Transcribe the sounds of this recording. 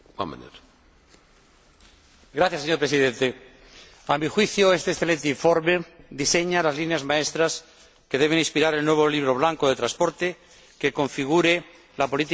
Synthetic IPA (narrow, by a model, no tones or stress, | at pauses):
a̰mḛnḛɾ | ɡɾaθjaseɲoɾpɾesiðent̪e | amixwiθjoest̪esθe̞le̞nt̪eiɱfo̞ɾme̞d̪ise̞ɲalazlineazmaest̪ɾas | ke̞ðe̞β̞e̞nĩspiɾaɾelnwe̞βo̞liβɾo̞βlaŋkoðe̞t̪ɾanspoɾt̪e | keko̞ɱfiɣ̞uɾe | lapo̞lit̪i